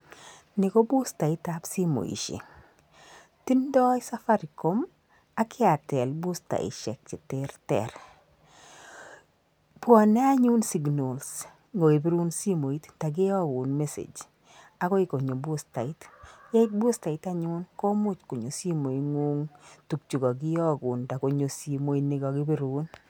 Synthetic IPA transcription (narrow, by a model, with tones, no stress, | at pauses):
nɪ˨ko˦bʊ˦sta˨ɪ˦tapsi˦mo̰˨ḭ˨ʃḛ˨ | ti˦ndɔ˦ɪ˦sa˦fa˦ɾi˨ko˨˦m | a˦kʰɪ˦a˨tɛ˨lbʊ˦sta̰˨ɪ̰˨ʃɛ̰˨k̚t͡ʃɪ˨tɪ˦rtɛ̰˨ɾ | pʊ˦˨nɛ˦a˦ɲu˦nsi˦ɡno˨ls | ŋo˨e˨bi˦ɾu˦nsi˦mo˨i˦tta˨ɡɪ˦ɔ˦ɡʊ˨nme˦sḛ˨d͡ʒ | a˦kɔ˦ɪ˦ko˨ɲo˨bʊ˦sta˨ɪ˦tjɛ˦ɪ˦tbʊ˦sta˨ɪ˨ta˦ɲʊ˦nko˦mʊ˦t͡ʃko˨ɲo˨si˦mo˨iŋu˦ŋtu˨k̚t͡ʃu˨ɡɔ˨ɡɪ˦jɔ˦ɡʊ˨nda˨ko˨ɲo˨si˨mo˨i˦ne˨ɡɔ˨ɡɪ˦bi˦ɾu˦n